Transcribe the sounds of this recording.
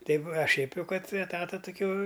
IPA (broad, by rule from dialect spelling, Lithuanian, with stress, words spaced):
ˈtɐɪp ɐ ʃʲɛɪp ˈjɛʊ ˈkɐt ɛˈtɑːtɐ tʊˈkʲoː